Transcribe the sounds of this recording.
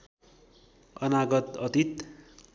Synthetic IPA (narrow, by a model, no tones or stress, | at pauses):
ʌnaɡʌt̪ʌt̪it̪